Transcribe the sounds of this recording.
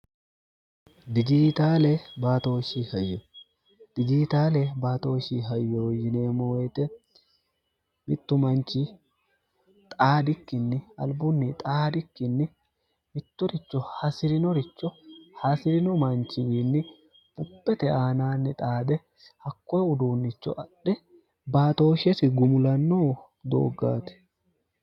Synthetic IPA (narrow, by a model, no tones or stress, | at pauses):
d̪ɪd͡ʒiːt̪aːlɛbaːt̪o̞ːʃiːhɐjːɛ | d̪̥ɪd͡ʒiːt̪aːlɛbaːt̪o̞ːʃiːɦɐjːɛwɔjːɪne̞ːmowɛt̪ɛ | mɪt̪ːʊmɐnt͡ʃi | t̪ʼaːd̪ɪkːɪnːɪɐ̰lbʊnːɪt̪ʼaːd̪ɪkːɪnːɪ | mɪt̪ːʊɾɪt͡ʃːɔhɐsɪɾɪnɔɾɪt͡ʃːɔhɐsɪɾɪnɔmɐnt͡ʃɪnːɪ | b̥ʊpːɛt̪ɛaːnaːnːɪt̪ʼaːd̪ɛ | hɐkːɔjɛʊd̪uːnːɪt͡ʃːɔ̰ʔɐᶑɛ | baːt̪o̞ːʃɛsɪɡʊmʊlɐnːoː | d̪o̰ːɡːa̰ːt̪ɛ̥